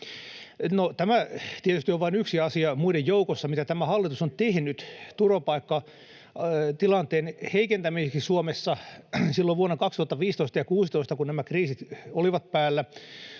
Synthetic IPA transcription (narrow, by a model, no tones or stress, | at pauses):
not̪æmæt̪iet̪yst̪ioʋʋɑinyksiɑsiɑmuiɾejjoukosːɑmit̪æt̪æmæhɑlːit̪usont̪ehnyt̪t̪uropɑikːɑ | t̪ilɑnt̪eːnheikent̪æmiseksisuomesːɑsilːoʋʋuonːɑkɑkst̪uhɑt̪ːɑʋiːst̪oist̪ɑjɑkuːsit̪oist̪ɑkunnæmækriːsit̪oliʋɑt̪pæːlːæ